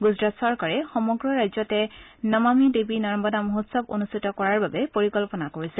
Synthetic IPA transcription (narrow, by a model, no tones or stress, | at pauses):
ɡuzɹatsɔɹkaɹɛxɔmɔɡɹɔɹajzɔtɛnɔmamidebinɔɹɔmbɔdamoɦotsɔbo̰nustʰitɔkɔɹaɹbabɛpoɹikɔlpɔnakoɹisɛ